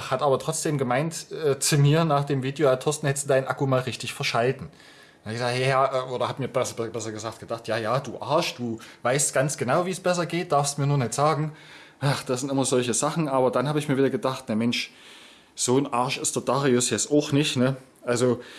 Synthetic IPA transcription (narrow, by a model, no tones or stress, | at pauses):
hatʔaːbɐtʁ̥ɔt͡sd̥eːmɡəmaɪntʔɛːt͡sumiːɐnaːχd̥eːmviːdjoatʰɔstn̩hɛsd̥ud̥aɪnʔakumaːlʁɪçtɪçfɛɐʃaltn̩ | abɪçɡz̥aːhɛjaɐʔɛːʔoːɾɐhaːbmiːɐbɛsbbɛsɐɡəzaːktɡ̥əd̥aχtjaːjaːd̥uːʔaɐʃd̥uːvaɪstɡ̥ant͡sɡ̥ənaʊviːsb̥ɛs̬ɐɡeːt̚d̥aɐfstmiːɐnuːɐnɪtz̥aːɡŋ̩ | ʔaχd̥aszɪntɪmɐzɔlçəzaχn̩ʔaːbɐdanhaːbəɪçmiɐviːdɐɡədaχtnamɛnʃ | z̥oːnʔaɐʃɪstd̥ɐd̥aːʁiʊsjɛt͡staʊxnɪçnə | ʔalzo